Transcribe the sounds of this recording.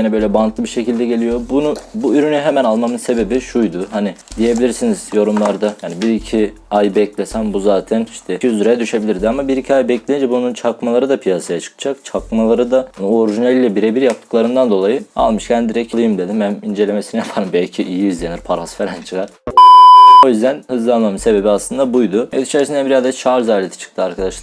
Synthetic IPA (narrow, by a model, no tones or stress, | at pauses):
nɛbø̞jlʲɛbant̪lˠɯbiʃe̞cʰilʲd̪ɛɟe̞lʲijo̞bunubuyɾynyɦemænalˠmamɯnse̞be̞biʃujd̪ʊɦanid̪ije̞bilʲiɾsiniz̥jo̞ɾumlˠaɾd̪ajaːnibiɾicʰi | ajbɛclʲesænbuzaːt̪ʰæniʃt̪ʰɛiyzyɾejɛd̪yʃe̞bilʲiɾd̪iamabiɾicʰiajbɛclʲejind͡ʒɛbununt͡ʃʰakmalˠaɾɯd̪apʰijasajat͡ʃʰɯ̥kʰɯ̥d͡ʒakt͡ʃʰakmalˠaɾɯd̪ano̞ɾiʒinɛlʲlʲɛbiɾebiɾjap̚t̪ʰɯ̥klˠaɾɯnd̪and̪o̞lˠajɯa̰lˠmɯʃcʰænd̪iɾɛcʰlˠɯjɯmd̪e̞d̪imænind͡ʒelʲe̞mesinijapʰaɾɯmbɛlʲcʰiʔijiizlʲeniɾpʰaɾasfeɾænt͡ʃʰɯkaɾ | o̞jyzd̪ænhɯzlˠalˠmamɯse̞be̞biaslˠɯnd̪abujd̪ʊhed̪it͡ʃʰeɾsind̪ænbiɾazd̪ɛt͡ʃʰaɾzalʲet̪ʰi̥t͡ʃʰɯ̥k̚t̪ʰɯaɾkʰad̪aʃlˠa